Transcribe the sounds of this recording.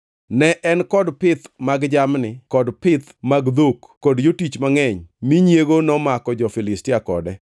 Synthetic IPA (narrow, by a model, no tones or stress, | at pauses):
nɛʔɛnkɔdpɪt̪maɡd͡ʒamnɪkɔdpɪt̪maɡd̪okːɔdjotit͡ʃmaŋɛɲmiɲjeɡonɔmakɔd͡ʒɔfɪlɪstɪakɔ̰dɛ